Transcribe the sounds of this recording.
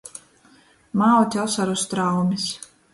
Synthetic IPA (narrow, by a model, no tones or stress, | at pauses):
mawt̪ʲɔsaɾust̪ɾawmʲis